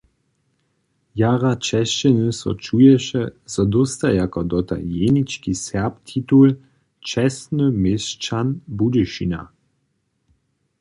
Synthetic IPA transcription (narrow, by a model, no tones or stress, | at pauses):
jaʁat͡ʃɛʃt͡ʃɛnəsɔ̰t͡ʃujɛʃɛzɔd̪ɔst̪ajakɔd̪ɔt̪a̰jenit͡ʃkisɛpt̪ʰit̪ul | t͡ʃɛsnəmest͡ʃanbudəʃina̰